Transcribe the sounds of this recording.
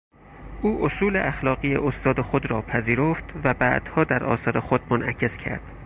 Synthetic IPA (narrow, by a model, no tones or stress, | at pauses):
ʔuːʔosuːleʔæxlɒːɣijḛʔost̪ɒːd̪exod̪ɾɒːpʰæziːɾoːft̪væbæ̰ʔd̪̥hɒːd̪æɾʔɒ̰ːsɒːɾexod̪monʔæ̰cʰe̞scʰæ̰ɾd̪̥